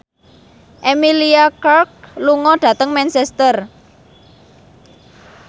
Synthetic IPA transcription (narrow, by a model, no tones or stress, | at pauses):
ʔemiliakark̚luŋɔɖ̥ä̤t̪əŋmɛnsɛst̪ər